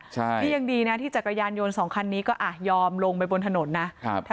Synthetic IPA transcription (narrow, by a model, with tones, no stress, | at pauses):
t͡ɕʰa˥˩a˥˩ja˧ŋdiː˧na˦˥t̪ʰiː˥˩t͡ɕa˨˩kɾa˧jaː˧njo˧nsɔː˩˦ŋkʰa˧nːiː˦˥kɔː˥˩ʔaː˨˩t̪̚jɔː˧mlo˧ŋpa˧jbo˧nt̪ʰa˧no˩˦nːa˦˥ʔʰ